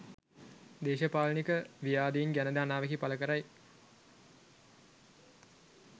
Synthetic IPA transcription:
d̪eːʃəpaːlənikəʋijaːd̪eiŋɡænəd̪aːnaːʋekipaləkəɾaj

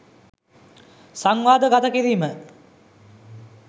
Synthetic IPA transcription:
saŋʋaːd̪əɡat̪əkiɾiːmə

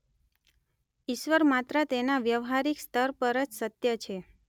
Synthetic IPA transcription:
iʃʋəɾmat̪ɾət̪enaʋjəʋɦaɾikst̪ʰəɾpəɾət͡ʃsət̪jət͡ʃʰe

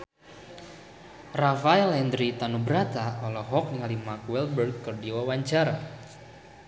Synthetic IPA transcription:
rafaɛlɛnd̪ɾit̪anubəɾat̪aalɔɦɔk̚niŋalimakwɛlbərɡkːɨrdiwawaɲt͡ʃaɾa

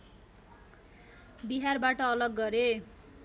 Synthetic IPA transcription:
biɦarbaʈʌːlʌɡːʌɾe

